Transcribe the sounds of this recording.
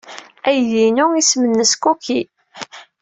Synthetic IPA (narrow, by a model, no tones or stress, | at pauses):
æjðinʊismənːəskuki